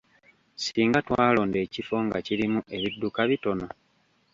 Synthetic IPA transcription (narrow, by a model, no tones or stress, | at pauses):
siːŋɡatwaːlo̞ːnde̞ːcifo̞ŋɡaciɾimuʔe̞βidːukaβito̞no